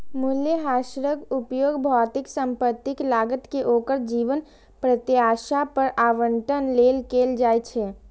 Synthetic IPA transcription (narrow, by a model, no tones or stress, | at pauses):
mʊljəɦaːʃɾəɡʊpjoːɡbʱɔːt̪ɪksə̃mpət̪ːɪklaːɡət̪keʔoːkəɾd͡ʒiːʋən | pɾət̪ɪaːʃapəɾʔaːʋəɳʈənleːlkeːld͡ʒaːet͡ʃʰɛː